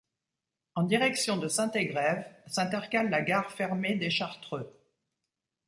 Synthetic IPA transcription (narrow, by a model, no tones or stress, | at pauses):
ɑ̃d̪iʁɛksjɔ̃d̪əsɛ̃t̪eɡʁɛvsɛ̃t̪ɛʁkalːaɡaʁfɛʁmed̪eʃaʁt̪χø